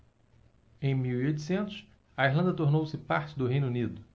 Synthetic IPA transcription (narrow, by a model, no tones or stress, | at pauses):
ẽj̃miwiojt̪u̥sẽnt̪ʊs | ɐiɦlɐ̃nd̪ɐt̪oɾnowsɪpa̰ɾt͡ʃɪd̪ʊɦẽj̃nunid̪ʊ